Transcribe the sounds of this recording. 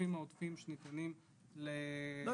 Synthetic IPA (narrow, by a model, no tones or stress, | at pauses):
imaod̪fimʃenit̪anim | le